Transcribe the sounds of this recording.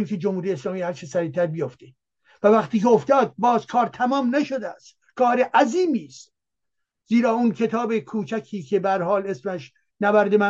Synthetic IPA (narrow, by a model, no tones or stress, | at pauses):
imkʰed͡ʒomhuːɾijeeslɒːmiːhæɾt͡ʃʰesæɾiːt̪ʰæɾbijoft̪e | vævæχt̪iːkeoft̪ɒːd̪̚bɒːzkʰɒːɾt̪ʰæmɒːmnæʃod̪eæst̪ | kʰɒːɾeʔæziːmiːst̪ | ziːɾɒːunkʰe̞t̪ʰɒːbekʰuːt͡ʃʰækʰiːkʰe̞bææɾhɒːle̞smæʃ | nævæɾd̪emæ